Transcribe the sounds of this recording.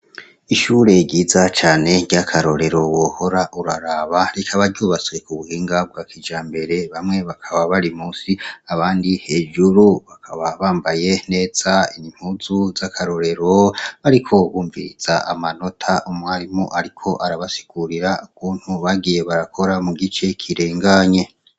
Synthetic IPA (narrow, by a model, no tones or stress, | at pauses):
iʃuːɾe̞ɟiːzat͡ʃaːne̞ɟjakʰaɾo̞ɾe̞ɾo̞woːho̞ɾaʔuɾaɾaβaɾekʰaβaɾɟuːβat͡swe̞kuβuhiːŋɡab̚ɡwaːkʰid͡ʒaːmbe̞ɾe̞βamŋe̞βakʰaβaβaɾimuːsiaβaːndihe̞ːʒuɾuβakʰaβaβaːmbaje̞ne̞ːz̥ainim̥huzuzakʰaɾo̞ɾe̞ɾo̞βaɾikʰo̞βuːɱvḭɾiz̥aa̰mano̞tʰaʔumwaɾimoʔaɾikʰo̞ʔaɾaβasi̥ɡ̥uɾiɾaukʰuːn̥huβaɡije̞βaɾakʰo̞ɾamuɡit͡ʃe̞kʰiɾe̞ːŋɡaɲe̞